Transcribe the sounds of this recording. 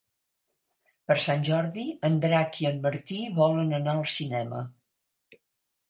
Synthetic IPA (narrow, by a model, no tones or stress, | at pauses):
pəɾsanʲʒɔɾðiənd̪ɾakiəmːəɾt̪iβɔlənənaəlˠsinɛmə̰